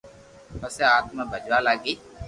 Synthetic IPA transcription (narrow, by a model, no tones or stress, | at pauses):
məseaːt̪mãːbʱəd͡ʒʋaːlaːɡiː